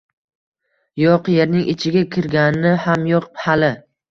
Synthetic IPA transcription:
jɒqje̞ɾnɪŋʔɪt͡ʃʰɪɡʲakʲʰɪɾɡʲanɪnɪhamjɒqphalɪ

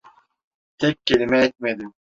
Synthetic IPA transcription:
t̪ʰekʲːelimɛet̪̚med̪im

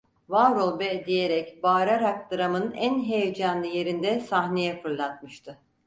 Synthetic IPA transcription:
vaɾolˠbɛd̪ije̞ɾɛcbaːɾaɾak̚d̪ɯɾamɯnænɦejed͡ʒanlˠɯje̞ɾind̪ɛsahne̞jɛfɯɾlˠat̪̚mɯʃt̪ʰɯ

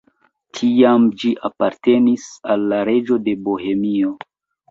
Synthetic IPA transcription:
tʰiamd͡ʒiʔapaɾte̞nisalːaɾe̞d͡ʒo̞de̞boɦe̞mio̞

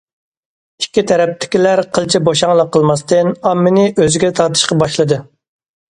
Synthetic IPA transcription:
i̥kʲːit̪ʰɛɾɛp̚t̪ʰɪ̥kʲilæɾqʰəlˠt͡ʃʰiboʃɑŋlˠəqʰːəlˠmɑst̪ɨnɑmːɪnɨʔøzɪɡʲɛt̪ʰɑɾt̪ʰɨ̥ʃqɑbɑʃlˠɨd̪ɨ

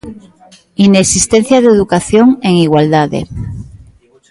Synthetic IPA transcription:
inesist̪en̟θjaðeðukaθjoŋeŋiɣwald̪aðḛ

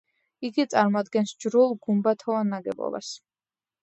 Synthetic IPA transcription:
iɡit̪sʼaɾmɔad̪ɡɛnsd͡ʒɾulˠɡumbat̪ʰɔvanːaɡɛ̰bɔ̰ba̰s

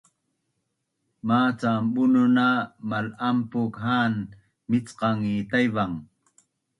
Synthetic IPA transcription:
maːt͡sambʊnʊnamalampʊkhaːn | mɪt͡sqɑŋit̪ajwaŋ

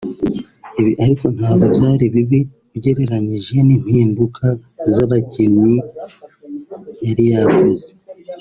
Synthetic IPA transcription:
iβiʔaɾiko̞n̥haːβɡobjaːɾiβiβi | ɟe̞ɾe̞ɾaɲiʒe̞nim̥hiːnbukʰazaβacemi | jaɾijaβuze̥

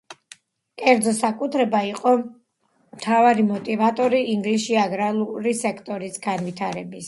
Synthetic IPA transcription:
kʼɛɾd̪zɔsakʼut̪ʰɾɛbaiqʼɔ | mt̪ʰavaɾimɔt̪ʼivat̪ʼɔɾiːŋɡlisiaɡɾalˠuɾisɛkʰt̪ʼɔɾisɡanvit̪ʰaɾɛbis

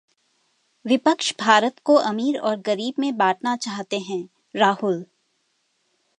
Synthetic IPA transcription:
ʋɪpəkʃbʱaːɾət̪koʔɐmiːɾɔːɾɡɐɾiːbmẽbaːʈnat͡ʃaːɦt̪eɦɛ̃ | ɾaːɦʊl

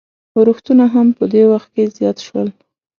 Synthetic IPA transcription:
əɾuxt̪unaɦampəd̪ewaxt̪̚kezjɑt̪ʃwəl

